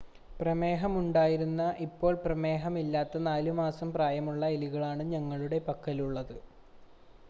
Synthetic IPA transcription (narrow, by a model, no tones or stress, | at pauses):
prɐme̞ːɦɐmuɳɖaːjiɾunːɐʔipːo̞ːɭprɐme̞ːɦɐmilːaːt̪ːɐnaːlumaːsɐmpraːjɐmuɭːɐeliɣɐɭaːɳɨɲɐŋːɐɭuɽe̞pɐkːɐluɭːɐðɨ